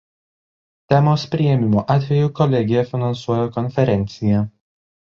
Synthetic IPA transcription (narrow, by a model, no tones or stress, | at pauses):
t̪ʲɛmoːspʲɾʲɪɛmʲɪmoːʔɑːt̪ʲʋʲɛjuːˑkɔlʲɛɡʲɪjɛfʲɪnɐnsuɔjoːkɔnʲfʲɛɾʲɛnʲt̪sʲɪjɛ